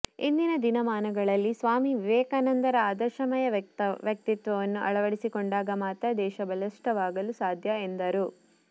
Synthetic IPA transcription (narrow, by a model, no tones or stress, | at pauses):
ind̪inɐd̪inɐmaːnɐɡɐɭɐlːisʋaːmiʋɛːkaːnɐnd̪ɐɾɐaːd̪ɐʃɐmɐjɐʋjɐk̚t̪it̪ʋɐʋɐnːuʔɐɭɐʋɐɽisikɔɳɖaːɡɐmaːt̪ɐd̪ɛːʃɐbɐlɐʂʈɐʋaːɡɐlusaːd̪ʱjɐend̪ɐɾu